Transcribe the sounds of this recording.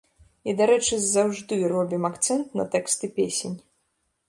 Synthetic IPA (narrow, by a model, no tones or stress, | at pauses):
id̪aɾɛt͡ʂɨzawʐd̪ɨrɔbʲimakt̪sɛnt̪nɐ̰t̪ɛkst̪ɨpʲesʲenʲ